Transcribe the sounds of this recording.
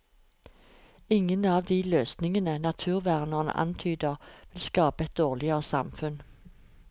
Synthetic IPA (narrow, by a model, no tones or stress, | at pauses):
ɪŋənɑːʋd̪iːløːsnɪŋənənɑt̪ʰʉːʁʋæʁnəʁnə̰ʔɑ̰nt̪ʰyːd̪əʁʋɪlskɑːpəɛt̪̚d̪oːʁlɪəʁəsɑmfʉn